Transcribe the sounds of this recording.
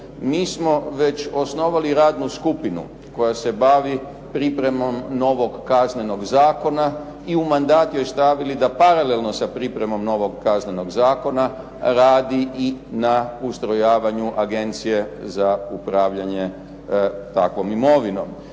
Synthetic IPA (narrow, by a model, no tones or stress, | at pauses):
miːsmo̞ʋe̞t͡ɕo̞sno̞ʋaliɾaːd̪nuskupinṵ | ko̞jase̞baʋi | pɾipɾe̞mo̞mno̞ʋo̞ɡkazne̞no̞ɡzaːko̞na | iumand̪aːt̪jo̞jst̪aʋilid̪apaɾale̞lˠno̞sapɾipɾe̞mo̞mno̞ʋo̞ɡkazneno̞ɡzaːko̞na | ɾaːd̪iʔinaust̪ɾo̞jaːʋaɲuʔaɡe̞nt̪sije̞zaupɾaːʋʎaɲe̞ | t̪akʋo̞mimo̞ʋino̞̰m